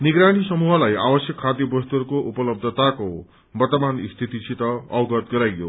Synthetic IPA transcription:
niɡɾaɽ̃isʌmuɦʌlajabʌsjʌkʰːad̪jʌbʌst̪ʌɾkoʔupʌlʌb̚d̪ʱʌt̪ako | bʌrt̪ʌmanist̪ʰit̪isʰit̪ʌʌwɡʌt̪ɡʌɾajɡjo̰

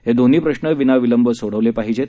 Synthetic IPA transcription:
ɦed̪on̤iːpɾəɕnəʋinaʋiləmbəsoɽ̤əʋlepaɦid͡ʑe

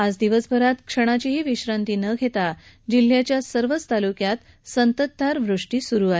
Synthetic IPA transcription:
ad͡zd̪iʋəsbʱəɾat̪kʂəɽ̃at͡ɕiɦiʋiɕɾant̪iːnəɡʱet̪a | d͡ʑil̤ːjat͡ɕjasəɾʋət͡st̪alukjat̪ | sənt̪ət̪̚ːaɾʋɾuʂʈiːsuɾuːae

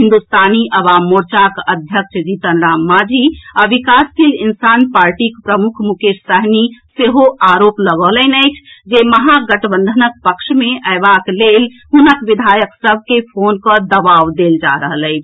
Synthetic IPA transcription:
ɦind̪ust̪aniʔəbamːoɾt͡ʃakəd̪ʱjəkʃd͡ʒit̪ənɾamːad͡ʒʱiaʋikask̪ilinsanpaɾʈikpɾəmukʰmukeɾsəɦniseɦoʔaɾopləɡɔlənəɪt͡ʃʰd͡ʒeməɦaɡəʈbənd̪ʱənək̚pəkʃmeʔəebaklel | ɦunəkʋid̪ʱajəksəb̚ʱkepʰonkəd̪əbawd̪eld͡ʒa̰ɾəɦələɪt͡ʃʰ

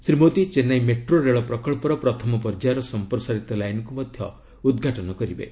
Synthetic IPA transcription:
sɾimot̪it͡ʃenajmeʈroɾeɭɔpɾɔkɔɭpɔɾɔpɾɔt̪ʰɔmɔpɔɾd͡ʒaɾɔsɔmpɾɔsaɾit̪ɔlajnɔkumɔd̪ʱjɔ̰ | ud̪ɡʱaʈɔnɔkɔɾibḛ

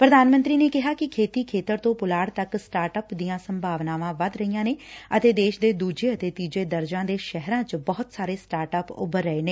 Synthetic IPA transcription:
pɾəd̪aːnmə̃nt̪ɾiːneːkɪɦaːkɪkʰeːt̪iːkʰeːt̪əɾt̪õːpʊlaːɽt̪əksʈaːɾʈəpd̪ijãːsəmbʱaːʋnaːʋãːʋəd̪ɾəijãːneːət̪eːd̪eːʃd̪eːd̪uːd͡ʒeːət̪eːt̪iːd͡ʒeːd̪əɾd͡ʒãːd̪eːʃɛɦɾãːt͡ʃbɔːʊt̪saːɾeːsʈaːɾʈəːpʊ̰bəɾːəeːneː

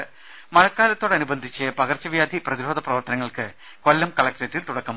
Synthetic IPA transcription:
mɐɻɐkːaːlɐt̪ːo̞ːɽeɐnubɐnd̪ʱit͡ɕːɨpɐɣɐrt͡ɕːɐʋjaːd̪ʱiprɐðiɾoːd̪ʱɐprɐʋɐrt̪ɐnɐŋːɐɭkɨ | ko̞lːɐmkɐɭɐk̚ʈɐtːilt̪uɽɐkːɐm

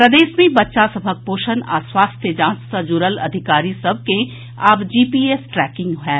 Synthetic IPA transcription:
pɾɐd̪eːʃmẽbɐtːʃasɐbʱək̚poːʃəna̰ːswaːst̪ʰjəd͡ʒãːnssəd͡ʒuɾəlɐ̰d̪ʱɪkaːɾisɐb̚ʱkẽ | abd͡ʒiːpiːeːsʈɾɛːkɪ̃ŋɡɦɛ̃ː

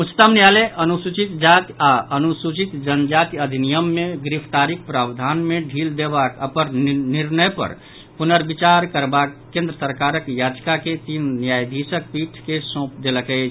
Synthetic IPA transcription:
ut͡ʃʰt̪əmnjaleʔənusut͡ʃit̪d͡ʒat̪aənusut͡ʃit̪d͡ʒənd͡ʒat̪iəd̪ʱinijəmːeɡɾipʰt̪aɾikpɾabd̪ʱanmeɖʱild̪ebakəpəɾniɾnəjpə̰ɾ | punəɾbit͡ʃaɾkəɾbakːẽnd̪ɾəsəɾkaɾəkjad͡ʒkaket̪inːjajd̪ʱisək̚piʈʰkesõp̚d̪eləkəɪt͡ʃʰ

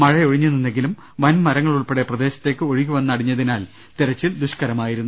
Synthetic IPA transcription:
mɐɻɐjo̞ɻiɲːuninːe̞ŋɡilum | ʋɐnmɐɾɐŋːɐɭuɭpeɽe̞prɐd̪e̞ːɕɐt̪ːe̞ːkːɨoɻiɣʲuʋɐnːɐɽiɲːɐðinaːl | t̪iɾɐt͡ɕːild̪uɕkɐɾɐmaːjiɾunːu

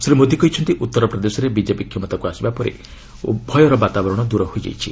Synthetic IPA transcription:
sɾimod̪ʱikɔit͡ʃʰɔnt̪iʔut̪ːɔɾɔpɾɔd̪esɔɾebid͡ʒepikʰjɔmɔt̪akuasibapɔɾḛ | bʱɔjɔɾɔbat̪abɔɾɔɽ̃ɔd̪uɾɔɦojd͡ʒa̰jt͡ʃʰi

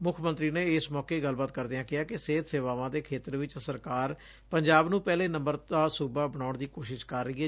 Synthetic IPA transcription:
mʊkʰmə̃nt̪ɾiːneːɪsmɔːkeːɡəlbaːt̪kəɾd̪ejãːkɪaːkɪseːt̪seːʋaːʋãːd̪eːkʰeːt̪əɾʋɪt͡ʃsəɾkaːɾ | pəɲd͡ʒaːbnũːpɛːleːnə̃mbəɾaːsuːbaːbəɳ̃aːʊɳd̪iːkoːʃɪʃkəɾːəiːɛː

